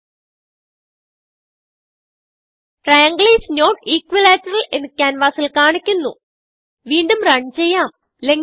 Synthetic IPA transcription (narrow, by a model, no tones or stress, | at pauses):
ʈrɐjɐŋɡɭiːsnoːʈiːkʋilaːtːɐrɐle̞nːɨkʲːaːnʋaːsilkaːɳikʲːunːṵ | ʋiːɳɖumrɐɳt͡ɕe̞jːaːm | le̞ŋ